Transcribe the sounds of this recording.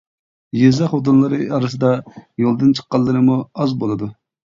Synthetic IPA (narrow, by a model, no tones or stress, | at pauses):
jezɑχod̪unlˠɨɾɨɑɾɨs̬ɨd̪ɑjolˠd̪ɨnt͡ʃʰə̥qːɑlˠːɨɾɨmuɑzbolˠɨd̪u